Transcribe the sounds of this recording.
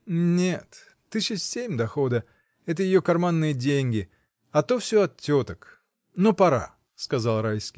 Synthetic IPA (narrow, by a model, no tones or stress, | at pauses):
nʲet̪ | t̪ːɨɕɪsʲemʲd̪ɐxo̞d̪ə | ɛt̪əjɪjokɐrmanːɨjədʲenʲɡʲɪ | ɐt̪o̞fsʲoɐt̪ʲːot̪ək | nopɐɾa̰ | skɐzalˠɾajskʲɪj